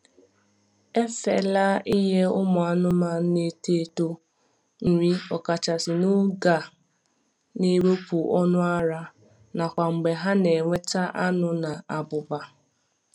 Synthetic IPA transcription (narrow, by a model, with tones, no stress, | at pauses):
e˦fḛ˨la˦i˦ɦe˦ʊ˦mʊ˨a˦nʊ˦ma˦ne˦te˦˨to˦ | ŋ̩˨ŋʷi˦ɔ˨ka˨t͡ʃa˨sɪ˨nʊ˦ɡa˨ | ne˦ɾo˦pu˨ʔɔ˦nʊ˦a˦ɾa˦ | na˨kʷa˨ŋ͡m̩˨ɡ͡be˨ɦa˦ne˨ŋʷe˦t͡ʃa˦ʔa˦nʊ˦na˨a˨bʊ˨ba˨